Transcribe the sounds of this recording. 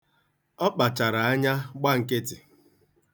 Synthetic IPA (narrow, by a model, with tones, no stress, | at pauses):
ɔ˦k͡pa˨t͡ʃa˨ɾa˨a˦ɲa˦ɡ͡ba˦ŋ̩˨ke˦tɪ˨